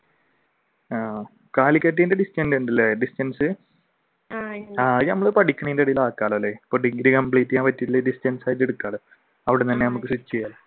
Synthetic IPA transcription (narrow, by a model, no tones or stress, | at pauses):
aː | kaːlikːɐt̬ːɐjndeɖistɐnduɳɖɐlːeɖistɐnsɨ | aːnɐmːɐɭɨpɐɽikʲːuɳɐjindeɽɐjilaːkːaːɭɐlːepoʈiɡiɾikɐmpɭiːtːjaːʋɐtːitːilːeɖistɐnsaːjitːeɽukːaːɭɨ | ɐʋiɽet̪ɐnːenɐmukːɨsut͡ɕːejaːl